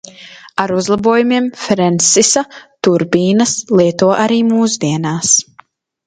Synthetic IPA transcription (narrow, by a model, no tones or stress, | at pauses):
aɾuzlˠabuɔjumiɛmfɾɛnsisat̪uɾbiːnɐslˠiɛt̪uɔʔaɾiːmuːsd̪iɛnaːs